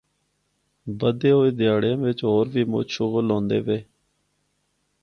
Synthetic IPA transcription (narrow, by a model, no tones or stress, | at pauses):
bəd̪eːɦoːiːd̪ɪjaːɽjãːʋɪt͡ʃɦoːɾʋiːmʊ̰ʃʊklõːnd̪ḛːʋeː